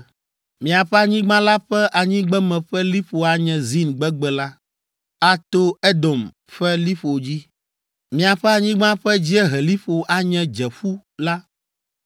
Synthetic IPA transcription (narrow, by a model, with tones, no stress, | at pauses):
mĩ˨a˨ɸɛ˦a˨ɲĩ˦ɡ͡bã˦la˦ɸɛ˦ʔa˨ɲĩ˦ɡ͡bɛ˦mɛ̃˨ɸɛ˦li˦ɸo˨a˨ɲɛ̃˨zi˦nɡ͡bɛ˦ɡ͡bɛ˨la˦ | a˦t̪o˦ɛ˦d̪o˨m | ɸɛ˦li˦ɸo˨d͡ʑi˦ | mĩ˨a˨ɸɛ˦a˨ɲĩ˦ɡ͡bã˦ɸɛ˦d͡ʑi˦ɛ˦ɦɛ˨li˦ɸo˨ʔa˨ɲɛ̃˨d͡ʒɛ˨ɸu˦la˦